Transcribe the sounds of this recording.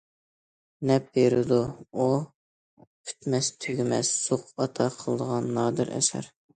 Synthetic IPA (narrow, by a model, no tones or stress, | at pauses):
nɛp̚beɾɪd̪uu | pʲʰy̥t̪mɛst̪ʰøɡʲmɛ̰ssoqɑt̪ʰɑqʰəlˠəd̪əʁɑnːɑːd̪ɨɾʔɛ̰ʃæ̰ɾ